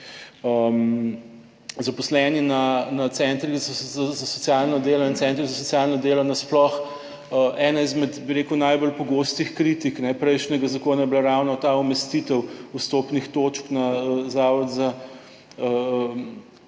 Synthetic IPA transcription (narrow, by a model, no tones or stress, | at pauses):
əm | zapɔslɛːninanat̪sɛːnt̪ɾizazazasɔt̪sjaːlnɔd̪eːlɔint̪sɛːnt̪ɾizasɔtsjalnɔd̪eːlɔnasplɔx | əʔɛːnaizmɛd̪biɾeːkəwnajbɔlpɔɡoːst̪ixkɾit̪iknɛpɾɛjʃnɛɡazakoːnajɛblaɾawnɔt̪aumɛst̪it̪əwust̪opnixt̪oːt͡ʃknaəzaːʋɔd̪za | ə